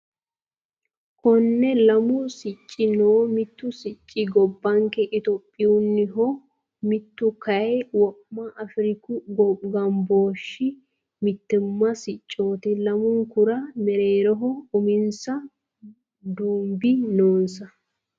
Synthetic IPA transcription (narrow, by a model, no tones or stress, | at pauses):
kɔnːɛlɐmʊsɪt͡ʃʼːɪnoːmɪt̪ːʊsɪt͡ʃʼːɪɡɔbːɐŋkɛʔɪt̪opʼːɪjʊnːɪɦɔ | mɪt̪ːʊkɐwɔʔmɐʔɐfɾɪkʊɡɔɡɐmboːʃːɪ | mɪt̪ːɪmːɐsɪt͡ʃʼːo̞ːt̪ɛlɐmʊŋkʊɾɐmɛɾeːɾɔɦɔʊmɪnsɐ | d̪uːmbɪnoːnsɐ